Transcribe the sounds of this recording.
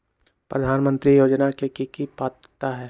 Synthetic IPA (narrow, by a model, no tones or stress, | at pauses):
pɾəd̪ʱaːnmə̃nt̪ɾijoːd͡ʒnakekikipaːt̪ | t̪aɦɛː